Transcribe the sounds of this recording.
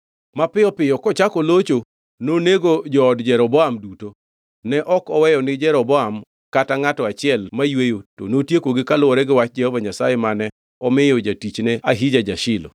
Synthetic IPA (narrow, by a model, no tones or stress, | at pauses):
mapɪjɔpɪjɔkɔt͡ʃakɔlot͡ʃo | noneɡod͡ʒɔːdd͡ʒɛɾɔbɔamduto | nɛʔɔkɔwɛjɔnɪd͡ʒɛɾɔbɔam | kataŋatɔat͡ʃɪɛlmajwejoto̰notjekoɡɪkalʊwɔɾɛɡɪwat͡ʃd͡ʒɛhɔvaɲasajemanɛ | ɔmɪjɔd͡ʒatit͡ʃneaɦid͡ʒad͡ʒaʃɪlɔ̰